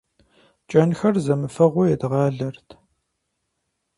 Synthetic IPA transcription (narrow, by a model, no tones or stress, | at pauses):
t͡ʃʼɐnxɐrzɐmɨfɐʁʷɔjɛd̪ʁɑːɮɐrtʰ